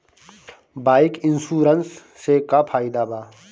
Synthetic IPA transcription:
baːɪkinsuːɾənsː | ekapʰaːid̪aːbaː

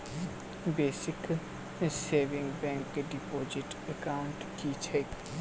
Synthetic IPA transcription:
beːsɪk | seːʋɪ̃ŋɡbɛ̃ŋkɖɪpoːd͡ʒɪʈəkaːʊɳʈkit͡ʃʰe

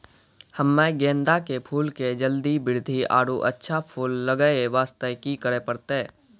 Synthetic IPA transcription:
həmːẽɡẽːnd̪akepʰuːlked͡ʒəld̪ibɪɾd̪ʱia̰ːɽuʔə̰tːʃʰapʰuːlːəɡəeʋaːst̪əkikəɾepəɾt̪e

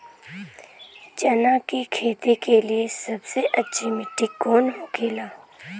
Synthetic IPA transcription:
d͡ʒənakikʰeːt̪ikeliesɐbseʔɐtːʃʰimɪʈːikɔːnɦoːkʰeːlaː

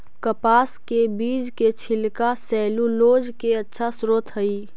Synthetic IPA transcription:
kəpaːskebiːd͡ʒket͡ʃʰɪlkasɛːluloːd͡ʒkeɐtːʃʰasɾoːt̪ʰɦəi

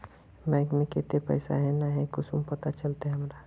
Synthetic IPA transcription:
mɛɡmẽket̪epə̰ɪsa̰ɦɛnaɦɛkʊsʰumpət̪at͡ʃəlt̪eɦəmɾa

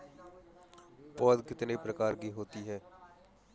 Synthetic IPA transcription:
ɔːd̪kɪt̪nepɾəkaːɾɡiːɦoːt̪iɦɛː

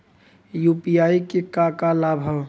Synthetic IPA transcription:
jupijaikekakalabʱə

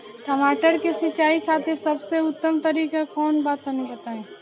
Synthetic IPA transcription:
ʈəmaːʈəɾkesɪt͡ʃaːikʰaːt̪esɐbseʊt̪ːəmt̪ɐɾiːkakɔːnbaːt̪ənĩbɐt̪aːẽː

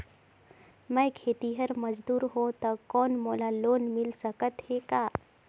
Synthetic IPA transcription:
mɛ̃jkʰeːt̪iɦəɾmɐd͡ʒd̪uːɾɦõt̪ɐkɔːnmoːlaloːnmɪlsəkət̪hekaː

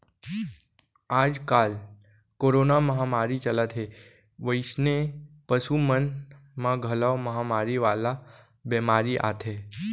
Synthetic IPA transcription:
aːd͡ʒkal | koːɾonaməɦamaːɾit͡ʃəlat̪ʰɦe | ʋəɪsne | pəsumən | mãɡʱəlaʋməɦamaːɾiʋala | bɛmaːɾiʔa̰t̪ʰe

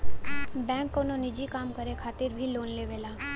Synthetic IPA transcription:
bɛ̃ːŋkːoːnonɪd͡ʒikaːmkəɾekʰaːt̪ɪɾbʱiloːnleːʋeːlaː

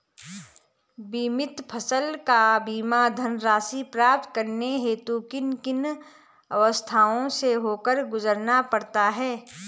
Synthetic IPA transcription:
biːmɪt̪pʰəsəlkabiːmad̪ʱənɾaːsipɾaːp̚t̪kəɾneɦeːt̪ukɪnkɪn | ɐʋəst̪ʰaːõseɦoːkəɾɡʊzəɾnapɐɽt̪aɦɛː

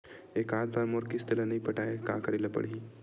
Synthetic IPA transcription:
eːkaːt̪̚bʱaːɾmoːɾkist̪əlanɐɦĩpɐʈaːeka̰ːkɐɾeːlapɐ̰ɽɦĩ

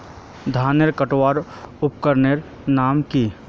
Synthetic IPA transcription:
d̪ʱaːneɾkəʈwaːɾ | ʊpkəɾneɾ | naːmki

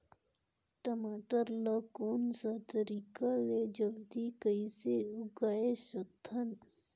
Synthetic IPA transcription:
ʈəmaːʈəɾləkoːnsat̪əɾikaled͡ʒəld̪ikəiseʊɡaːesot̪ʰːən

